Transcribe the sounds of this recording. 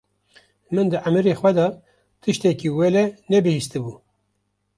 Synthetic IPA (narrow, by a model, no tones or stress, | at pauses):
mɨnd̪ɨʔamɨɾeːxʷwʷɛd̪ɑ | t̪ʰɨʃt̪ɛkiːwɛlɛnɛbɨhist̪ɨbuː